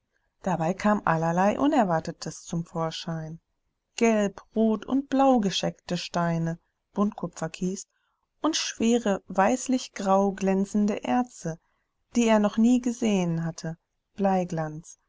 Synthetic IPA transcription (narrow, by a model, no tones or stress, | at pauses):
d̥abaɪkʰaːmʔalɐlaɪʔʊnɛɐvaɐtətʰəst͡sʊmfoːɐʃaɪn | ɡ̥ɛlpʁoːtʊ̰nt̚b̥laʊɡəʃɛktəʃtaɪnə | b̥ʊntkʰʊpp͡fɐkʰiːs | ʔʊntʃv̥eːʁəvaɪslɪçɡ̥ʁaʊɡlɛnt͡sn̩dəʔɛɐstə | d̥iːeːɐnɔχniːɡəzeːənɦatʰə | b̥laɪɡlant͡s